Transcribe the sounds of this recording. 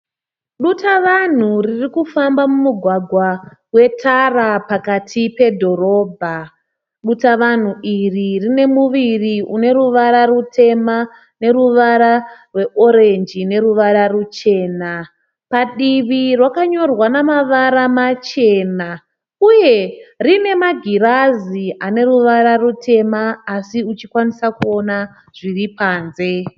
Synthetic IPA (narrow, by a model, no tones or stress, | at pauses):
ɗutaʋan̤uririkufambamumuɡʱwaɡʱwawe̞tʰarapakatʰipe̞dʱo̞ɾo̞ːbʱa | ɗutaʋan̤uiririne̞muʋiriune̞ɾuʋaɾarutʰe̞ma | ne̞ɾuʋaɾarwe̞ʔo̞ɾend͡ʒine̞ɾuʋaɾarut͡ʃe̞ːna | paɗiʋirwakaɲo̞rwanamaʋaɾamat͡ʃe̞ːna | uje̞rine̞maɡʱiɾaziane̞ruʋaɾarutʰe̞maːsiut͡ʃikwanisakuo̞na | ʐ̥iripaːnze̞